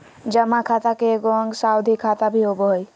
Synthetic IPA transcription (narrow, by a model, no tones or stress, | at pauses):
d͡ʒəmakʰat̪akeɡoəŋɡsaud̪ʱikʰat̪abʱiɦoboɦoj